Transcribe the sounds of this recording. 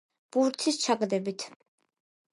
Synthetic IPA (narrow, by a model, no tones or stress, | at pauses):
b̥uɾt̪ʰist͡ʃʰaɡʼd̪ɛbit̪ʰ